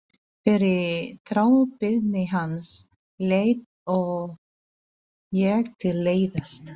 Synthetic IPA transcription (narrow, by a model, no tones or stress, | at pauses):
fɪɾɪθɾaːwpɪðnɪɦans | lejt̪ | ɔɣ | jɛkt̪ʰɪleːjðast̪